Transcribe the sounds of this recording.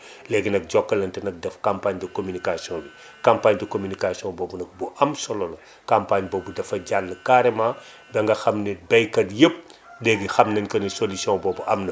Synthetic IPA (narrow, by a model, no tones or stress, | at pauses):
lɛɡinɐk̚ɟɔkːɐlɐntɛnɐk̚dɛfkampaɲdikomynikasiɔ̃ndi | kampaɲdikomynikasiɔ̃bɔːbunɐk̚buʔɐmsɔlɔlɐ | kampaɲbɔːbudɐfɐɟalːəkaɾɛma | bɛŋɡɐxɐmnɛbɛjkɐdjəp̚lɛɡixɐmnɐnkɐnisolisiɔ̃bɔːbuʔɐmnɐ